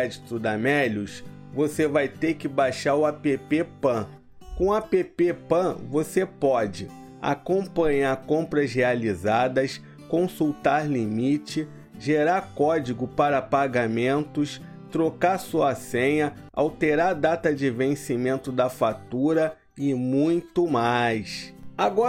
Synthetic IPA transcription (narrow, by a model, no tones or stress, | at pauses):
ɛd͡ʒit̪ʊd̪amɛʎʊs | vosevajt̪eɾkɪbajʃaɾʊapepepɐ̃ | kõw̃apepepɐ̃vosepɔd͡ʒɪ | a̰kõpɐ̃ɲaɾkõmpɾɐzɦealizad̪ɐs | kõsuwt̪aɾlimit͡ʃɪ | ʒeɾaɾkɔd͡ʒiɡʊpaɾɐpaɡamẽnt̪ʊs | t̪ɾokaɾsuɐsẽɲɐ | a̰wt̪eɾaɾd̪at̪ɐd͡ʒɪvẽsimẽnt̪ʊd̪ɐfat̪uɾɐ | ɪmũj̃t̪ʊmajsaɡɔ